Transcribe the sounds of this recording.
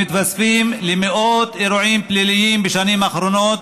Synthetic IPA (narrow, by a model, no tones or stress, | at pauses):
it̪vasfimlemeʔot̪eɾuʕimplilijimbeʃanimaxɾonot̪